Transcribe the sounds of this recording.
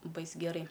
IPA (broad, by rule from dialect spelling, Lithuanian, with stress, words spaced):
ˈbɐɪs ˈɡʲæːrɐɪ